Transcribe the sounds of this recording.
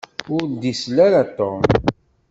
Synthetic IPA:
ʊɾd̪islaɾat̪om

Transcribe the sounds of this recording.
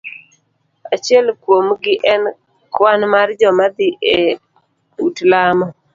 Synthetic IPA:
at͡ʃɪɛlkwomɡɪʔɛn | kwanmard͡ʒɔmad̪ɪʔe | utlamɔ

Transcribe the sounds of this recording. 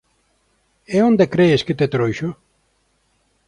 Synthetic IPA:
eond̪ekɾeeʃket̪et̪ɾojʃo

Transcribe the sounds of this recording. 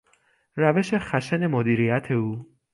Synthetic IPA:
ræve̞ʃe̞xæʃene̞mod̪iːɾijæt̪ʰe̞uː

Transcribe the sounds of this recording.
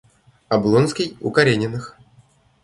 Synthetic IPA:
ɐblˠonskʲɪjʊ̰kɐɾʲenʲɪnɨx

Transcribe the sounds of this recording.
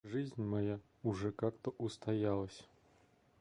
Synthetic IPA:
ʐɨzʲnʲmaja | uʐɛkakt̪ɐʔust̪ajalˠɐsʲɐ̥

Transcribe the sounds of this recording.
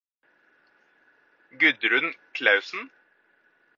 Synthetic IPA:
ɡʉd̪ɾʉnkʰlɑʉsn̩

